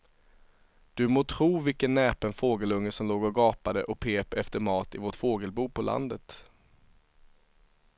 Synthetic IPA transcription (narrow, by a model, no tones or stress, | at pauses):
d̪̥ɵmoːt̪ʰɾuːvɪlkənːɛːpənfoːɡəlɵŋːəsɔmloːɡɔɡɑːpad̪əʔɔk̚pʰeːpɛft̪əɾmɑːt̪ɪvoːʈfoːɡəlbuːpʰɔlʔa̰nd̪ət̪